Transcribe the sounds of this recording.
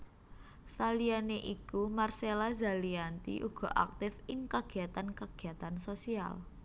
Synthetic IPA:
salianeʔikumarselaza̤liant̪ḭʔuɡ̥ɔ̤ʔa̰k̚t̪ɪfɪŋkaɡ̥i̤at̪ankaɡ̥i̤at̪ansosia̰l

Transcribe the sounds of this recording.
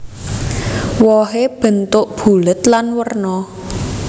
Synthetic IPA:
wɔɦeb̥ə̤nt̪ʊʔb̥ṳlət̪lanwərnɔ

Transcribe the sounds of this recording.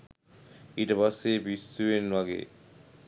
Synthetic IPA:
iʈɐbasːeːbistuenaɡḛː

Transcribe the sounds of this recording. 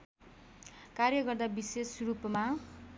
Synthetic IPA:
karjʌɡʌrd̪abisesrupma

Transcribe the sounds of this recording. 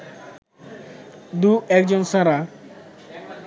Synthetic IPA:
d̪uɛk̚d͡ʑonsaɾa

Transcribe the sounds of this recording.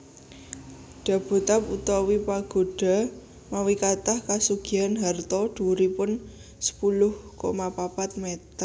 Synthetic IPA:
ɖ̥a̤b̥ṳt̪aput̪ɔwipaɡ̥o̤ɖ̥a̤ | mawikat̪ahkasuɡ̥ianɦart̪ɔɖ̪̥ṳɾipʊn | sə̥pulʊhko̰mapapat̪̚met̪ər

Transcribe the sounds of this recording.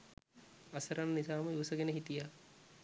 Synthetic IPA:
ɐsɐɾanːisaːməiʋɐsəɡenəɦit̪ija

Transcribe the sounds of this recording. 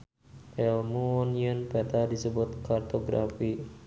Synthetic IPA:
ʔɛlmuɔniənpɛt̪adisəbʊt̪̚kart̪oɡɾa̰fi

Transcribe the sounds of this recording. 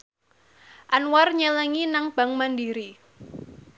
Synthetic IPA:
ʔanwarɲələŋinaŋb̥a̤ŋmandiɾi

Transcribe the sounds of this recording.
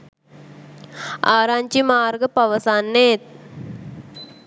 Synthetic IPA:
aːɾaːɲt͡ʃimaːɾɡɐpɐʋɐsaːnːeːt̪̚

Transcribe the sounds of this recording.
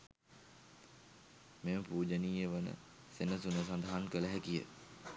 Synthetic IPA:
meməpuːd͡ʒəniːjəʋənə̰ | senəsunəsand̪aɦankələɦækijə̰

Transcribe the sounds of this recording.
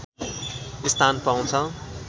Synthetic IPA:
ist̪ʰanpaw̃t͡sʰʌ

